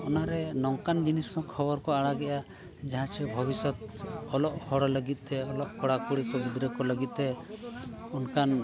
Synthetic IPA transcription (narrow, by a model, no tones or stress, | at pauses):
ɔnaɾɛnɔŋkand͡ʒinisɔkʰɔbɔɾkɔaɽaɡɛja | d͡ʒaɦãt͡ʃʰɛbʱɔbisɔt̪ɔlɔʔhɔɽɔləɡit̪̚eɔlɔʔkɔɽakuɽikɔbud̪ɾɔkɔləɡit̪̚ɛ | unkan